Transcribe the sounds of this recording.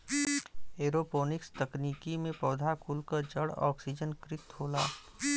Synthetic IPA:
eːɾopoːnɪkst̪ɐkniːkimẽpɔːd̪ʱakʊlkəɾd͡ʒəɽɔ̰ːksid͡ʒənkɾɪt̪ɦoːlaː

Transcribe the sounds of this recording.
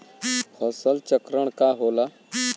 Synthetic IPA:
hʰɔːsəlt͡ʃəkɾəɽ̃kaɦoːla

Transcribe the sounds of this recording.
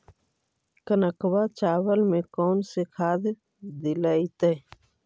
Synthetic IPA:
kənəkwat͡ʃaːwəlmẽkɔːnsekʰaːd̪ | d̪ɪlaːit̪eː

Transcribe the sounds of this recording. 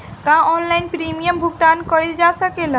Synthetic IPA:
kãɔnlaɪnpɾimijəmbʱuɡt̪aːnkɔjld͡ʒasəkela

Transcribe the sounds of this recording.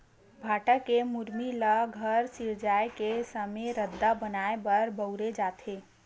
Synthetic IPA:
bʱaːʈəkːemuɾmiləɡʱəɾsiɾd͡ʒajkesəmeɾəd̪ːabənaebəɾbəʊɾed͡ʒat̪ʰe

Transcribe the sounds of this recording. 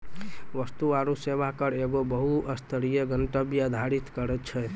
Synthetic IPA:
ʋəst̪uaɾuseʋakəɾeɡobəɦuəst̪ʰəɾijəɡənʈəbiəd̪ʱaɾit̪kəɾɛt̪t͡ʃʰɛ

